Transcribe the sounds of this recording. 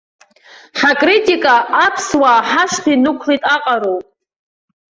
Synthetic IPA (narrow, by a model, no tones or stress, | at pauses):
ħakʼritʼikʼaːpʰswaːħaʂtʰinukʷʰlitʼaqʼaɾowpʼ